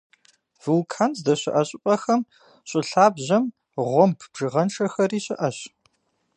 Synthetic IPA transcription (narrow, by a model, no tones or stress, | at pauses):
v̥ulkʰaːnzdɐɕɪʔɐɕʼɪpʼɐxɐm | ɕʷʼɪɬaːbʑɐm | ʁʷɔmpʰb̥ʒɨʁɐnʈ͡ʂʰʼɐxɐriːɕɪʔɐɕ